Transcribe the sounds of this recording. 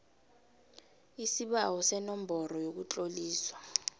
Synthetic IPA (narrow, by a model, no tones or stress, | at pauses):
isiɓawɔsɛnɔmbʱɔɾɔjok̬ut͡ɬʼoliːswa